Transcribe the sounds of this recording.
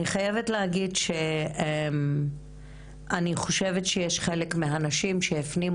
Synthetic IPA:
iχajevetleaɡidʃe̞em | ʔaniχo̞ʃe̞vetʃejeʃχe̞lekmeɦanaʃimʃeːfnim

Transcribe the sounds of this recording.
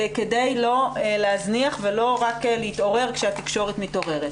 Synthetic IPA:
kedejlo̞leazniaχvelo̞ʁaklehit̪o̞ʁe̞ʁkʃeat̪i̥kʃo̞ʁet̪mit̪o̞ʁe̞ʁet̪

